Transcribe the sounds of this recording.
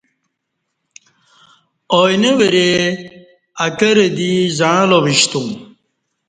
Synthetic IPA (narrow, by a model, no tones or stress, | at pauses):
ojneʋeɾe | ɐkɐɾed̪izãːloʋiɕt̪ũ